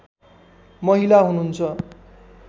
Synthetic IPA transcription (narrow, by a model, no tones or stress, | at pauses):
mʌɦilaɦununt͡sʰʌ